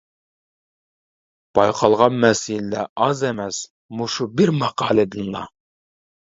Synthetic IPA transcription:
b̥ɑjqʰɑlˠʁɑnmɛsillæ̰ʔɑzɛmɛs | muʃubɪɾmɑqɑːlˠɨd̪ɨnlˠɑ̰

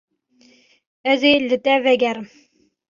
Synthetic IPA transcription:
æzelːɘ̆t̪ævæɡʲæɾ

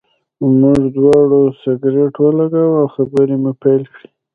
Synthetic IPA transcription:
muʐd̪wɑɽosɪɡɾeʈwəlaɡawawxabəɾemupajlkɽi

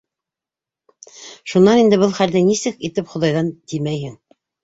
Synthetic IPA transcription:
ʃunːɑnind̪ɘβɤlˠχæld̪ɘnisɘkit̪ɘpχŏðɑjðɑnt̪imæjhɘŋ

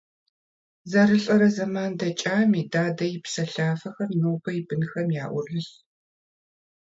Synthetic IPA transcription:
zɐɾɨɬʼɐɾɐzɐmaːndɐt͡ʃʼaːmiːdaːdɐjɪpsɐɬaːfɐxɐmnoːpʰɐjɪbɨnxɐmjaːʔʷʊrɨɬ

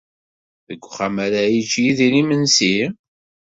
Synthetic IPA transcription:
ðəɡʷːχamæɾæjit͡ʃːjiðinimənsi

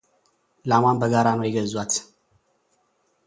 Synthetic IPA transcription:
lamanbəɡaɾanojɪɡəzwat̪

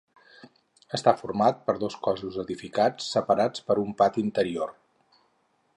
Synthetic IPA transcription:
əst̪afuɾmat̪̚pəɾðoskɔzuzəðifikat͡sːəpəɾat͡spəɾumpat̪int̪əɾior

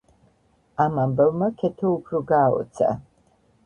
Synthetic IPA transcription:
amambavmakʰɛt̪ʰɔupʰɾɔɡaːɔ̰t̪sʰa̰

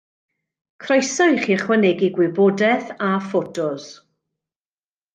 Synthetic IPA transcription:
kʰrɔjsɔjχiːχwənɛɡiɡwɪbɔdɛθafotʰʊz

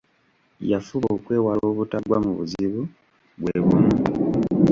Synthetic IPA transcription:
jafuβoːkwe̞ːwaloːβutaɡwamuβuziβu | βweβumu

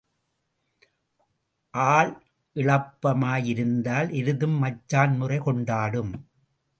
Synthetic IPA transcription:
ʔaːɭ | ʔɪɭɐpːɐmaːjɪɾɯnd̪aːlʔɪɾɯðɯmːɐt͡ʃːaːnmʊrɐɪkɔɳɖaːɽɯm

